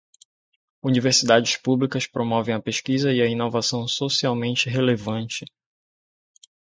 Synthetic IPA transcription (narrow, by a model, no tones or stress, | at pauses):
univeɾsid̪ad͡ʒɪspublikɐspɾomɔvẽj̃ɐpeʃkizɐiɐinovasɐ̃w̃sosiawmẽnt͡ʃɪɦelevɐ̃nt͡ʃɪ